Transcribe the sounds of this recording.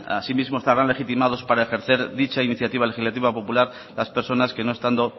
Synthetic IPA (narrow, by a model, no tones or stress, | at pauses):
a̰simizmoest̪aβɾanle̞xit̪imað̞o̞spaɾae̞xeɾθe̞ɾðit͡ʃainiθjat̪iβale̞xizlat̪iβapo̞pulaɾ | laspe̞ɾso̞naske̞noe̞st̪and̪o̞